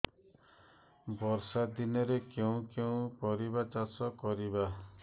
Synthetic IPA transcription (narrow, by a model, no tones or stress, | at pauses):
bɔɾsad̪inɔɾekeũkeũkɔɾibat͡ʃasɔkɔɾiba